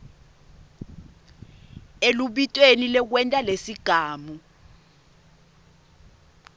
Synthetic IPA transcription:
eluɓitʼwenilɛk̬wɛntʼalesiɡ̥ʱaːmu

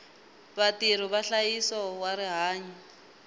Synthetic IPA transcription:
βatiɾ̤ɔβaɬajisɔwaɾiɦaːɲɔ

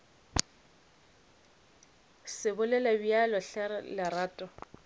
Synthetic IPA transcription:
sɪbʊlɛlabialɔɬɛɾlɪraːtʼɔ

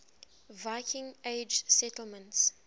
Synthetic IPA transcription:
vaɪkʰɪ̃ŋeɪd͡ʒsɛtəl̩ˠmə̃nts

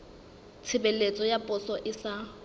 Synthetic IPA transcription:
t͡sʰɪbelet͡sʼɔjapʼʊsɔʔɪsa

